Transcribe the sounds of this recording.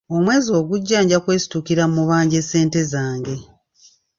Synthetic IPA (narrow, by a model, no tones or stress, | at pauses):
o̞mwe̞ːzio̞ːɡuɟːaːɲɟakwe̞ːsi̥tukiɾamuβaːɲɟe̞se̞ːnte̞zaːŋɡe̞